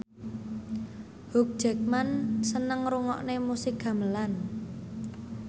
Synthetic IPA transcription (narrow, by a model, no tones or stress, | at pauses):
huk̚ʒ̥ɛ̤k̚mansənəŋɾuŋɔ̰ʔnemusɪkɡa̤məlan